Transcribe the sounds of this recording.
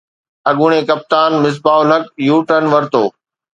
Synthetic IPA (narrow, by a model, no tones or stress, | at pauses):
ɐɠʊɽ̃ẽkɐp̚t̪aːnmɪs̬baːʊlɦɐkjuːʈənʋɐɾt̪oː